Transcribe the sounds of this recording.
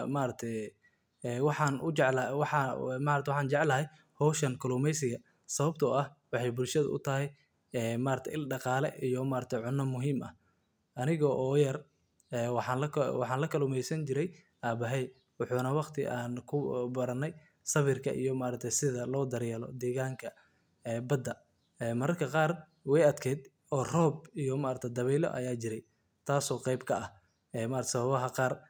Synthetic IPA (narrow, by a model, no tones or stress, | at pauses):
maːɾɐt̪ʰɛj | ɛːwɑħɑːnʊʕwħmaːɾɐt̪wħɑːnt͡ʃɛʕlɐɦɛj | hɔwʃɐnkʰɐluːmɛjsɪɣɐ | sɐβɐb̚t̪ʰɐɐhwɑħɑjbʊlʃɐðɐ̰ʔʊ̰t̪ʰɐɦɛj | ɛːmaːɾɐt̪ʰɛ̰ʔɪlɖɑqɑːlɛ̰ʔijɔmaːɾɐt̪ʰɛjʕʊnːɐmʊɦiːmɐ̰h | ʔɐnɪɣɔʔɔːjɐr | ɛːħɑlɐwɑħɑːnlɐkʰɐluːmɛjsɐnt͡ʃɪɾɛj | ʔaːbɐɦɛj | wʊħuːnɐwɑqt̪ʰɪ̰ʔaːnkʰʊbɐɾɐnɛj | sɐβɪrkʰɐ̰ʔḭjɔmaːɾɐt̪ʰɛjsɪðɐlɔːd̪ɐɾjɛːlɔ̰d̪ɛːɣaːŋkʰɐ | ɛːbɐd̪ːɐ | ɛːmɐɾɐrkʰɐqɑːr | wɛjɐd̪kʰɛːd̪ | ɔːrɔːbijɔmaːɾɐt̪ʰɛjd̪ɐβɛːlɔ̰ʔɐ̰jaːt͡ʃɪɾɛj | t̪ʰaːsɔːqɛjbkʰɐɐh | ɛːmaːɾɐt̪ʰːsɐβɐβɐɦɐqɑːr